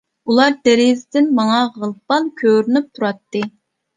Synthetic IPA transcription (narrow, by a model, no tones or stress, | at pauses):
ulˠɑɾd̪̥ɛɾɪzɪd̪ɪnmɑŋɑʁəlˠpɑnkʲʰøɾynyp̚t̪ʰuɾɑt̪ːɨ